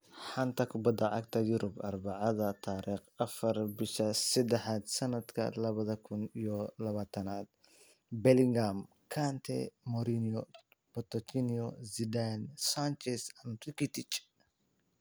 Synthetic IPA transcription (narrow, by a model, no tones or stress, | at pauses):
ħant̪ʰɐkʰʊbɐd̪ɐʕɑ̰ɡt̪ʰɐjʊɾʊbɐrbɑʕɑðɐt̪ʰaːɾiːχɐfɐrbɪʃɐsɛd̪ɛħaːd̪sɐnɐd̪kʰɐ̰lɐβɐðɐkʰʊnijɔlɐβaːt̪ʰɐnaːd̪̚ | bɛlɪŋɡam | kʰant̪ʰɛ̰mɔɾinɔ | bɔt̪ɔt͡ʃiniɔzid̪ansant͡ʃɛsɐnt̪ɪkɪt̪ɪt͡ʃ